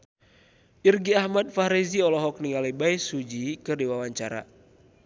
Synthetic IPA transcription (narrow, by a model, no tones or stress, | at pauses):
ʔirɡiahmad̪̚faɾiziɔlɔɦɔk̚niŋalibaisud͡ʒikɨrdiwawaɲt͡ʃaɾa̰